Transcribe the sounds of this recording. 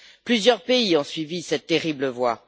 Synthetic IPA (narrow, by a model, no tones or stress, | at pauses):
plyzjœʁpeiɔ̃sɥivisɛt̪ːeʁibləvwa